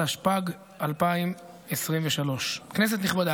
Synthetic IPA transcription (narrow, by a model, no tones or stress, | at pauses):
haʃpaɡ | alpaim | esʁimveʃalo̞ʃknes̬et̪niχbad̪a